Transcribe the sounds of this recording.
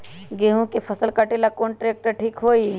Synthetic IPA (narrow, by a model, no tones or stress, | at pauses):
ɡeɦũkepʰəsəlkəʈelakoːnʈɾeːk̚ʈəɾʈʰiːkɦoːi